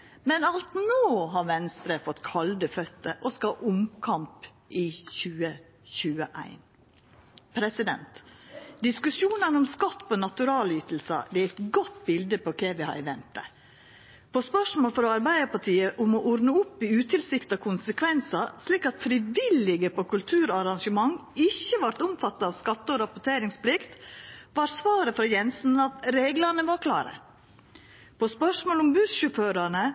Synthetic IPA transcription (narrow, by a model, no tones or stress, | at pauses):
mɛnɑlt̪noːɦɑɾʋɛnst̪ɾəfɔt̪ːkʰɑld̪əfœt̪ːəʔɔskɑʔʊmkʰɑmp | ʔɪçʉːə | çʉːəʔæ̰ɪn | pʰɾɛsɪd̪ɛ̰nt̪d̪ɪskʉsjuːnənɔmskɑt̪ːpɔnɑt̪ʉɾɑːlyːt̪l̩sə̰d̪ɛːæɛt̪ɡɔt̪ːbɪld̪əpɔkʰeːʋɪhɑ̰ɾɛʋɛnt̪ə̰ | pʰɔspœʂmoːlfɔɾɔɑɾbæɪəpɑʈʰiːəʔʊmɔʔɔɾnəʊpːɪʉːt̪ʰɪlsɪkt̪ɑkʰʊnsəkʰʋɛnsɑsliːkɑt̪fɾɪʋɪlːɪɡəpokʉlt̪ʰʉːɾɔɑɾɑŋʂəmɑŋːɪçːəʋɑɾt̪ʊmfɑt̪ːɑɑʋskɑt̪ːəɔɾɑpʊʈtʰeːɾɪŋspʰlɪkt̪ʋɑɾsʋɑːɾəfɾɔjɛnsn̩ɑt̪ɾeːɡlɑnəʋɑɾkʰlɑ̰ːɾə̰ | pʰɔspœʂmoːlʊmbʉʃʉføːɾɑɳə